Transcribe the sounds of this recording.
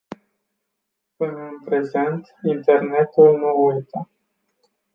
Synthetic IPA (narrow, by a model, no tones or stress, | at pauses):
pɨnəɨnpɾe̞ze̞nt̪int̪e̞rne̞t̪ulnuujt̪ə